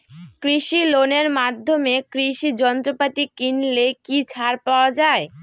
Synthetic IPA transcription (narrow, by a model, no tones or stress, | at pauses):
kɾiʃiloneɾmad̪ʱːomekɾiʃid͡ʑɔnt̪ɾopat̪ikinlekit͡ɕʰaɾpaoad͡ʑae